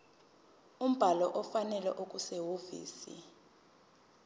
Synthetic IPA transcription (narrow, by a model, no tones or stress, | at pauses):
um̩b̥ʱalɔʔɔfanɛlɛ̰ʔok̬ʼuseɦovḭːsḭ